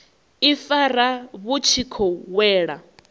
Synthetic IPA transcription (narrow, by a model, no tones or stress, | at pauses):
ifaɾaβut͡ʃʰikʰɔwɛːɺa